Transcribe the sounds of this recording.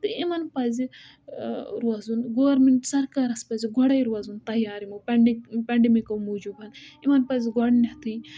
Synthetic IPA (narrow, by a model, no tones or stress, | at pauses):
t̪ɨimɐnpɐzi | ɾuɐzunɡoʋɐɾmeɳʈsɐɾkaːɾɐspɐziɡɔɽɐjɾuɐzunt̪ɐjaːɾimɐpɐɳikpʲɐɳɖemikɐwmud͡ʒubɐnimɐnpɐziɡɔɽnɐt̪ɨj